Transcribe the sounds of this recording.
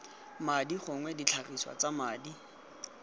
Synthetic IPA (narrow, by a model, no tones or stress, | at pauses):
madiχʊŋwɛdit͡ɬʰariswa̰t͡samaːdi